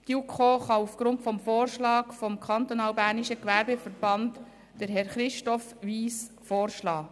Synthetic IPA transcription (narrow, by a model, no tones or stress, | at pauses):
tiukʰoːχɑufɡ̥ɾʊntfɔmfoːrʃlɑːkfɔmkʰɑnt̪onɑːwbæːɾniʃəkʋæɾbefəɾb̥ɑnt | d̥əɾɦɛɾχɾɪʃtɔfʋiːs | foːɾʃlɑː